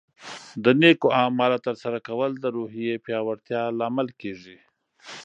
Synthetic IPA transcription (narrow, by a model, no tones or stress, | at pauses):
d̪ənekoamɑlat̪əɾsaɾakawəld̪əɾoɦijepjɑwaɾt̪jɑlɑmalkeʐi